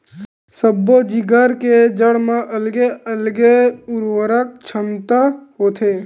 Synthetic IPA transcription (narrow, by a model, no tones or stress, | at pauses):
səbːod͡ʒiɡəɾked͡ʒəɽmãʔəlɡeʔəlɡeʊɾwəɾək̚t͡ʃʰəmt̪aɦoːt̪ʰeː